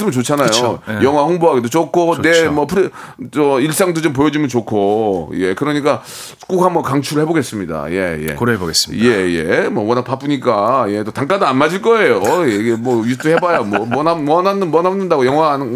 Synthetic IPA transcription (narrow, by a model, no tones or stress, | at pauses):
sɯmɯnt͡ɕot͡ɕʰanajojʌŋɦwaɸoŋboɦaɡedot͡ɕ͈okʰonemʌpʰɾʌiɭs͈aŋdot͡ɕomp̬ojʌd͡ʑimɯnt͡ɕokʰoje̞kɯɾʌɲik͈ḁ | k͈ukɦamʌkaŋt͡ɕʰuɾɯɭheboɡes͈ɯmɲida̰je̞̰jḛkɾeboɡesjejḛmwʌwʌnakpap͈uɲik͈aje̞t͈otaŋk͈adoanmad͡ʑiɭk͈ʌe̞jojeiɡemwʌjitʰɯhe̞bajamwʌmʌnaʌnanɯwʌnɦanːɯndaɡojʌŋwan